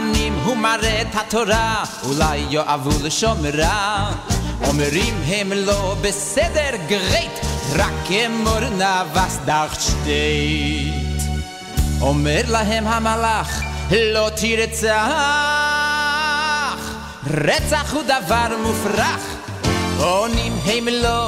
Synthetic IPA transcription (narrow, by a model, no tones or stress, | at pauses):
nimɦumaɾɛthatɔɾa | ulˠaɪjɔʔavulˠəʃɔməɾa | ɔməɾimɦemlˠɔbəsɛdəɾɡəʁeɪtɾakɛmɔɾnavasdaχʃteɪt | ɔmɛɾlˠaɦɛmhamalaχlɔtʰiɾət͡saa | χ | ɾɛtzaχudavaɾmufɾaχ | ɔnimɦeɪməlˠɔ